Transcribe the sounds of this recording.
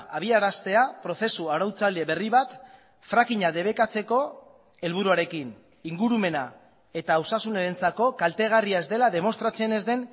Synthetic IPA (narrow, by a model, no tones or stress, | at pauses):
aβ̞iaɾast̪e̞apɾo̞θe̞suawɾawt͡sale̞βe̞riβat̪ | fɾakiɲaðe̞β̞e̞kat͡se̞ko̞ | e̞lβ̞uɾuaɾe̞kin | iŋɡuɾume̞na | e̞t̪aːwsasuneɾent͡sako̞kalt̪e̞ɣ̞ariae̞zd̪e̞laðe̞mo̞st̪ɾat͡se̞ne̞zd̪e̞n